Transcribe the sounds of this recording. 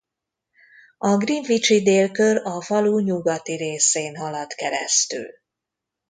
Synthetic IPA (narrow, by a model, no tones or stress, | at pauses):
ɒɡriɱvit͡ʃid̪eːlkø̞rɒvɒluɲuɡɒt̪iɾeːseːnɦɒlɒt̪kɛɾɛ̰st̪y̰l